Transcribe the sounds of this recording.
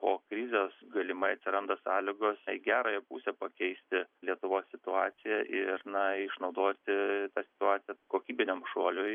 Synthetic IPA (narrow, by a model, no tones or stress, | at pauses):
poːkɾʲɪzʲeːsɡɐlʲɪmɐɪɐt̪ʲsʲɪɾɐnd̪ɐsɑːlʲɪɡoːsiɡʲæːɾoːjɛpṵːsʲɛpɐkʲɛɪsʲt̪ʲɪlʲiɛt̪ʊʋoːsːʲɪt̪ʊɑːt̪sʲɪjɛʔɪrnɐɪʃnɒʊd̪oːt̪ʲɪt̪ɑːsʲɪ̥t̪ʊɑːt̪sʲɪjɛkoːkʲiːbʲɪnʲɛmʃuɔlʲʊj